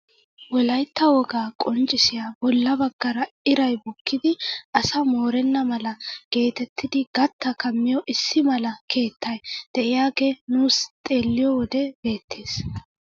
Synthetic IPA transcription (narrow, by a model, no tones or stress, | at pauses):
wɔlɐjt̪ːɐwɔɡaːkʼɔnt͡ʃʼːɪsɪjaːbɔlːɐbɐɡːɐɾɐɪɾɐjbɔkʰːɪd̪ɪʔɐsɐmo̞ːɾɛnːɐmɐlɐɡ̥e̞ːt̪ɛt̪ːɪd̪ɪɡɐt̪ːɐkɐmːɪjɔʔɪsːɪmɐlɐkʰe̞ːt̪ːɐjd̪̥ɛʔɪjaːɡe̞nuːst̪ʼe̞ːlːɪjɔwɔd̪ɛbe̞ːt̪ʰːeːs